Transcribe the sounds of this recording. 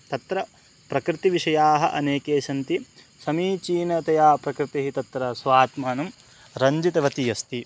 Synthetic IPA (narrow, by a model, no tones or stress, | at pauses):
t̪ɐt̪ɾɐ | pɾɐkɾɪt̪iʋiʂɐjaːɦɐʔɐ̰neːkeːʃɐnt̪i | sɐmiːt͡ʃiːnɐt̪ɐjaːpɾɐkɾɪt̪iɦit̪ɐt̪ɾɐsʋaːt̪mɐnɐm | ɾɐɲd͡ʒit̪ɐʋɐt̪ijɐst̪i